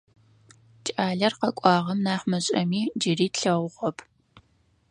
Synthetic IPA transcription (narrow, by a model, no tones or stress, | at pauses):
t͡ʃʼaːɮɐrqɐkʷʼɑːʁɐmnaːχmɐɕʼɐmiːd͡ʒɪriːtɬɐwʷʁʷɔpʰ